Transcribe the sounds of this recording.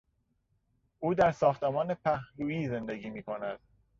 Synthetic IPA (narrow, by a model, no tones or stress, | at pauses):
ʔuːd̪æɾsɒːxt̪emɒːnepʰæhɾuːiːze̞nd̪eɡiːmiːkʰonæd̪̥̚